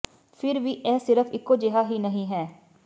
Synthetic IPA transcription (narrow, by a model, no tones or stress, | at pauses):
fʰɪɾʋiːʔɛːsɪɾəfʰɪkːoːd͡ʒeɦaːɦiːnəɦĩːɦɛː